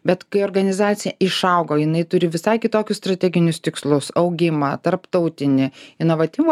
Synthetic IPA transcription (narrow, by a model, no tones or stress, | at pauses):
bʲɛt̪kɐɪoːɾɡɐnʲɪzɑːt̪sʲɪjɛɪʃɐʊɡoːjɪnɐɪt̪ʊɾʲɪʋʲɪsɐɪkʲɪt̪oːkʲʊsst̪ɾɐt̪ʲɛːɡʲɪnʲʊst̪ʲɪkslˠʊsɐʊɡʲɪmɐt̪ɐɾpt̪ɐʊt̪ʲɪnʲɪɪnoːʋɐt̪ʲɪm